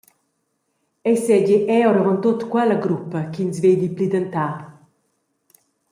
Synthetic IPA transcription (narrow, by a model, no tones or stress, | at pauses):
ɛsɛɟiʔɛwɾavɔnt̪ot̪kwɛlaɡɾupːɐkinsvejd̪iplid̪ant̪a